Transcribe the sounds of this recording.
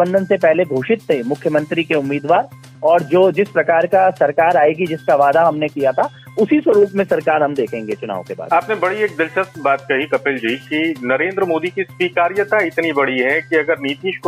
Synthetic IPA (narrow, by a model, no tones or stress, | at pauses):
bə̃nd̪ʱənsepɛɦleɡʱoːʃɪt̪ːẽmʊkʰjəmɐ̃nt̪ɾikeʊmːiːd̪ʋaːɾ | ɔːɾd͡ʒoːd͡ʒɪspɾɐkaːɾkasɐɾkaːɾaːeːɡid͡ʒɪskaʋaːd̪aɦɐmnekijat̪ʰa | ʊsisʋɐɾuːpmẽsɐɾkaːɾɦɐmd̪eːkʰẽːŋɡet͡ʃʊna̰ːʋõ̰keba̰ːd̪aːpnebɐɽieːk̚d̪ɪlʃəsbaːt̪̚kɐɦikɐpɪld͡ʒiːkinɐɾẽːnd̪ɾəmoːd̪ikiswiːkaːɾijət̪aɪt̪nibɐɽiɦɛkiɐɡəɾniːt̪iːʃk